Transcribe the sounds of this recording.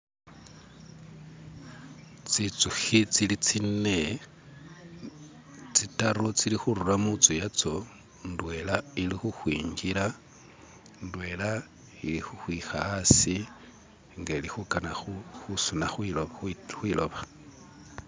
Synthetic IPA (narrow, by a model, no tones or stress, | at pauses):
t͡sit͡suxit͡silit͡sine | t͡sitaɾot͡silixuɾuramut͡sujat͡so̞ | ndwe̞lailixuxwiːɲɡila | ndwe̞la | ilixuxwixaasi | ŋɡelixukanaxuxusunaxwiloxwiːlo̞̰βa